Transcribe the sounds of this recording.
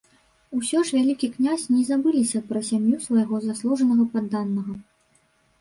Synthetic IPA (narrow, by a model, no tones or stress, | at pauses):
usʲɔʂvʲalʲikʲiknʲasʲnʲɛzabɨlʲisʲɐpɾɐsʲamjusvɐjaɣɔzaslˠuʐɐnɐɣɐpad̪ːanːɐɣɐ